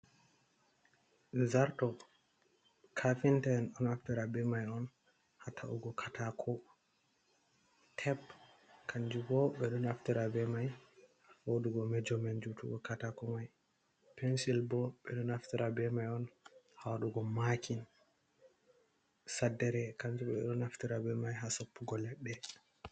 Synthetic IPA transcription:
zaɾtɔ | kʰafintanɗɔnaftiɾabɛmajɔn | hatʰaʔṵɡɔkʰatakʰɔ | tʰɛb | kʰand͡ʒuɡɔɓɛɗɔnaftiɾabɛmaj | woduɡɔmɛd͡ʒɔmɛnd͡ʒutṵɡɔkatakɔmaj | pɛnsilbɔɓɛɗɔnaftiɾabɛmajɔn | hawaɗuɡɔmakʰin | sadːɛɾɛkaɲd͡ʒuɓɛɗɔnaftiɾabɛmajɦasopːuɡɔlɛɗːɛ

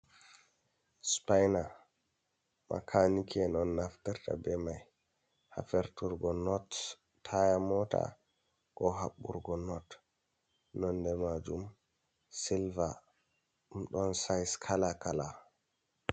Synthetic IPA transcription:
spajna | ma̰kʰanikʰɛnɔnːaftiɾta̰bɛmaj | ha̰fɛɾtuɾɡɔnɔtːʰ | ajamɔta̰ | ɡ̥ɔɦaɓːṵɾɡɔnɔt | nɔndɛmad͡ʒum | silva | mɗɔnsajskʰalakʰala

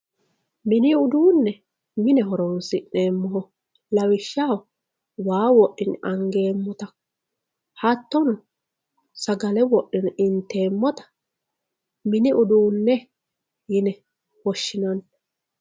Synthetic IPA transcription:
mɪnɪʊd̪uːnːɛ | mɪnɛɦɔɾɔnsɪʔe̞ːmːɔhɔ | lɐwɪʃːaːw | waːwɔʔɪnʔɐŋɡe̞ːmːɔt̪ɐ | hɐt̪ːɔnʊ | sɐɡɐlɛwɔʔːɪnɪnt̪e̞ːmːɔt̪ɐ̥ | mɪnɪʔʊd̪uːnːɛ | jɪnɛ | wɔʃːɪnɐn

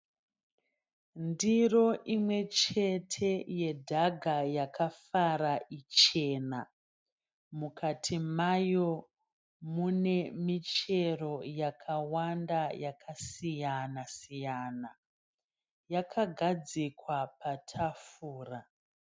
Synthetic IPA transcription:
ndiro̞ʔimwe̞t͡ʃe̞tʰe̞je̞dʱaɡʱajakafaɾaʔit͡ʃe̞na | mukʰatʰimajo̞ | mune̞mit͡ʃe̞ro̞jakʰawandajakʰasijanasijana | jakʰaɡʱad͡zikwapatʰafuːra

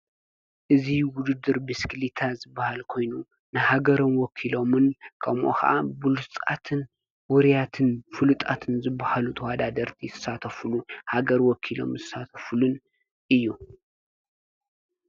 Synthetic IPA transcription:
ʔɨziwʊd̪ɨd̪ːɨɾbisklit̪ʰazɨbːahalkʰo̞jnu | nɨhaɡɐɾonwɔkʰilo̞mɨnkʰɐmʔo̰xɐ̰ʔa̰bɨlust͡sʼa̰t̪ʰɨn | wʊɾijat̪ʰɨnfɨlɨt̪ʼat̪ʰɨnzɨbːahalut̪ʰɐwad̪ad̪ɐɾt̪ʰizɨsat̪ʰɐfluhaɡɐɾwɔkʰilo̞̰mzɨsat̪ʰɐfulun | ʔɨjːu

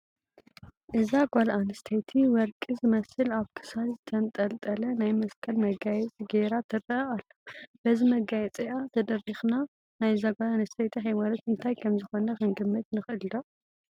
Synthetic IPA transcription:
ʔɨzaɡʷalʔanɨst̪ʰejt̪ʰiwɔɾkʼizɨmɐsɨlaβkʰɨ̥salzɨt̪ʰɐnt̪ʼɐlt̪ʼɐlɐnajmɐskʰɐlmɐɡajɛt͡sʼɡeɾat̪ʰɨɾɐʔɐalːob̥ɐzimɐɡajɛt͡sʼiat̪ʰɐd̪ɐrixna | najzaɡalanɐst̪ʰejt̪ʰiɦajwalɐt̪ɨnt̪ʰajkʰɐmzɨxo̞nɐxɨnɡɨmːɨt̪nɨxɨʔɨld̪o

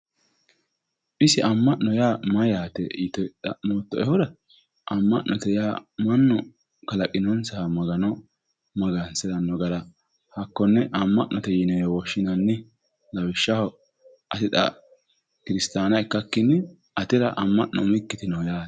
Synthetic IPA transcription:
ʔɪsɪʔɐmːɐʔːɔjaːmɐjaːt̪ɛit̪ɔtɐ̰ʔmoːt̪ːɔɛhɔd̪ɐ | ʔɐmːɐʔnɔt̪ɛjaːmɐnːɔ | kɐlɐkʼɪnɔnsɐhmɐɡɐnɔ | mɐɡɐnsɛd̪ɐnːɔɡɐɾɐ | hɐkːɔnːɛʔɐmːɐʔnɔt̪ɛjɪnɛwɔʃːɪnɐnːɪ | lɐwɪʃːɐhɔ | ʔɐt̪ɪt̪ɐ̰ | kɪɾɪst̪aːnɐɛkːɐkːɪnːɛ | ʔɐt̪ɪɾɐʔɐmːɐʔnɔmɪkːɪt̪ɪnɔjaːt̪ɛ̥

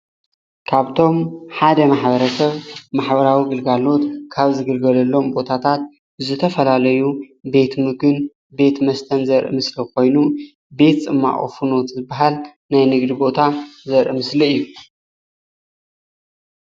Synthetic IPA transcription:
kʰaβt̪ʰo̞mħad̪ɐmaħbɐɾɐsɐβmaħbɐɾawiɡɨlɡalo̞t̪kʰaβzɨɡɨlɡɐlɐlːo̞mbo̞t̪ʰat̪ʰat̪̚ | zɨt̪ʰɐfɐlalɐjube̞t̪mɨɡɨn | be̞t̪mɐst̪ʰɐnzɐɾʔɨ̰mɨslɐko̞jnu | be̞t̪t͡sʼɨmːa̰ʔʼo̰funo̞t̪zɨbːaɦal | najnɨɡd̪ibo̞t̪ʰazɐɾʔɨmɨsliɨjːu

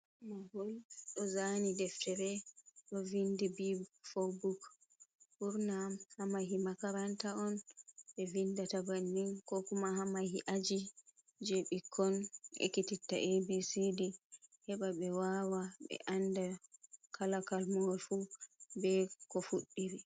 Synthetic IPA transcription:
maɡɔlɗɔzanidɛftɛɾɛɗɔvindibibfobuk | buɾnamhamahimakaɾantaɔnɓɛvindatabanːinkɔkumahamahiʔad͡ʒi | d͡ʒeɓikʰːɔnʔɛ̰kititːa̰ʔebisidihɛɓaɓɛwawaɓɛ̰ʔandakʰalakalmɔlfubɛkɔfuɗːiɾi

